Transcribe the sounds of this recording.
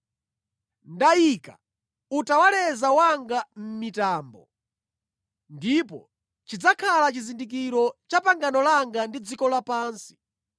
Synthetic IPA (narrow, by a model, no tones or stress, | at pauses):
ndaika̰ | utawalɛzawaŋɡam̩mitaːmbɔ̰ | ndipɔ | t͡ʃid͡zakʰalat͡ʃizindik̬iɾɔt͡ʃapaŋɡanɔlaŋɡandid͡zikɔlapaːnsi̥